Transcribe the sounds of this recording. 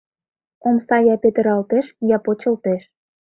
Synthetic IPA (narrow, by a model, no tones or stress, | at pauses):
omsɑjɑpet̪ə̆ɾɑlt̪eʃjɑpot͡ɕɤ̆lt̪eʃ